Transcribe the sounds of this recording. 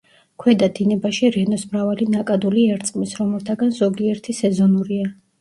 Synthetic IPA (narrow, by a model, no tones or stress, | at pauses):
kʰwɛd̪ad̪inɛbaʃiɾɛnɔsmɾavalinakʼad̪uliɛɾt̪sʼqʼmisɾɔmɛlt̪ʰaɡanzɔɡiɛɾt̪ʰisɛzɔnuɾia